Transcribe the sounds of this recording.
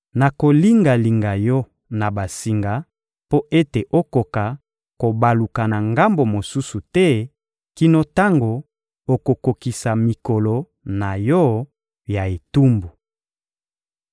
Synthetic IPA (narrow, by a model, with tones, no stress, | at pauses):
na˨ko˨li˦ŋɡa˨li˨ŋɡa˨jɔ˦ | na˨ba˨si˨ŋɡa˨ | po˦ʔe˦te˨ʔo˦ko˨ka˨ | ko˨ba˨lu˨ka˨na˨ŋɡa˦mbo˨mo˨su˦su˨tɛ˦ | ki˦no˦ta˦ŋɡo˨ | o˨ko˨ko˨ki˨sa˨mi˨ko˨lo˨ | na˨jɔ˦ | ja˨e˨tu˦mbu˨